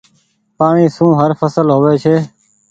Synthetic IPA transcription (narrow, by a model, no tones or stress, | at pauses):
paːɳiːsũːɦəɾfəsəlɦoːʋeːt͡ʃʰeː